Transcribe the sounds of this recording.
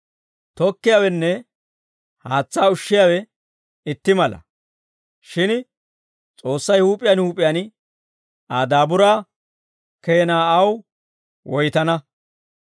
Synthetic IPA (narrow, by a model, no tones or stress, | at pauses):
t̪ɔkːɪjawɛnːɛ | haːt͡sːaːʊʃːɪjaːwɛ | ɪt̪ːɪmɐlɐ̰ | ʃɪn | t͡sʼo̞ːsːɐjhuːpʼːɪjanhuːpʼːɪjaːn | aːd̪aːbʊɾaː | keːnaːɐw | wɔjt̪ɐnɐ